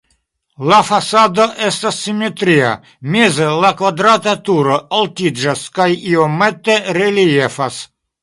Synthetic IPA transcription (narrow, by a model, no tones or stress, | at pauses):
lafasad̪oʔest̪asːimet̪ɾia̰ | mezelakvad̪ɾat̪at̪uɾoolt̪id͡ʒaskajiomet̪eɾeliefas